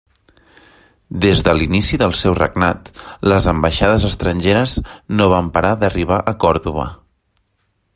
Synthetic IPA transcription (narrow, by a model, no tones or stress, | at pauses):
d̪ezðəlinisiðəlˠsɛwrə̰ɡnat̪ləzəmbəʃaðəzəst̪ɾənʲʒeɾəznoβ̞ampəɾaðəriβ̞aʔəkɔɾðuβ̞ə̰